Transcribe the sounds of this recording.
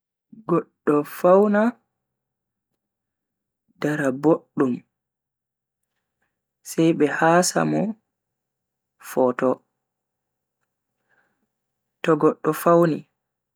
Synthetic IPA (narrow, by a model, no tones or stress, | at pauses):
ɡɔɗːɔfawna | daɾaboɗːum | sɛjɓɛhasa̰mɔ | fɔtɔ | tɔɡɔɗːɔfawni